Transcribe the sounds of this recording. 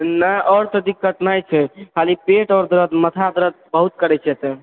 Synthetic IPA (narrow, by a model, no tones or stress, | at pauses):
nəjʔɔːɾt̪əd̪ikːəʈnajt͡ʃʰɛkʰalipeʈɔɾd̪ɾəd̪mət̪ʰad̪ɾəd̪̚bəɦut̪̚kəɾɛt͡ʃʰɛt̪ɛ